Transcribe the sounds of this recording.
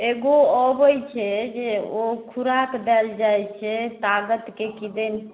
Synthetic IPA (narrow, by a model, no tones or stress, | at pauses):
eɡoɔbəjt͡ʃʰɛd͡ʒeokʰuɾakd̪ɛld͡ʒajt͡ʃʰɛt̪aɡət̪kekid̪ən